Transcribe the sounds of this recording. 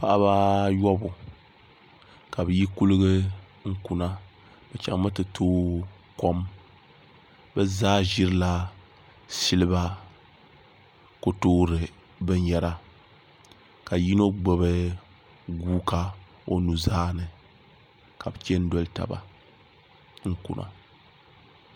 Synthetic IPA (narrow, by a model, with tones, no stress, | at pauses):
pa˨ʔa˦βa˦jɔ˦bu˨ | ka˨bɨ˨ji˦ku˦lɨ˦ɡɨ˦ | ŋ̩˦ku˨na˦ | bɛ˨t͡ʃa̰˨ŋ˦ma˦tɨ˨tʰoː˦ | ko˦m | bɛ˦zaː˦ʒi˦ɾɨ˦la˦ | si˦lɨ˦ba˦ | ko˦toː˦ɾɨ˨ | bɨ˦n˦jɛ˦ɾa˦ | ka˨ji˦no˦ɡ͡bo˨βɨ˦ | ɡuː˦ka˦ | o˦nu˨zaː˦nɨ˨ | ka˨bɨ˨kɛ˦n̩˦dɔ˦lta̰˨ba̰˨ | ŋ̩˦kṵ˨nʔa̰˨